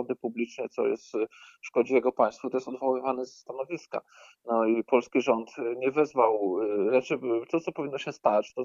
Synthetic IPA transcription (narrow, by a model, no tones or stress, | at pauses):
ɔd̪ɘpublʲit͡ʂnɛt̪sɔ̰jɛ̰st̪ʂkɔd͡ʑijɛɡɔpaj̃st̪fuit̪ɔjɛst̪ɔd̪vɔwɘvanɛzast̪anɔvʲiska̰ | nɔipɔlskʲiʐɔnt̪ɲɛvɛzvawɾɛt͡ʂɘt̪ɔt̪sɔpɔvʲinːɔɕɛst̪at͡ɕt̪ɔ